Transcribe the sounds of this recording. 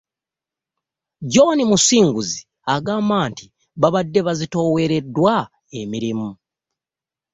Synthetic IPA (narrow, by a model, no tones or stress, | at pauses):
ɟo̞nimusiːŋɡuzi | aɡaːmbaːnti | βaβadːe̞βazito̞ːwe̞ɾe̞dwa | emiɾimu